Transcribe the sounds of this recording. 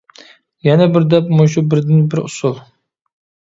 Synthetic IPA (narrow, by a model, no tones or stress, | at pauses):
jɛnɛbɪɾd̪ɛpmoʃ̬ubɪɾd̪ɪnbɪɾʊ̰sulˠ